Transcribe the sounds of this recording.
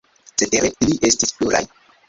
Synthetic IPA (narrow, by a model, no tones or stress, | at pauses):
t͡seteɾeiliʔestispluɾa̰j